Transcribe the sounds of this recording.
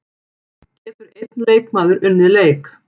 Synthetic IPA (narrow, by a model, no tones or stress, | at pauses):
cɛːt̪ʏɾejt̪nleːjkmaːðʏɾʏnːɪleːjk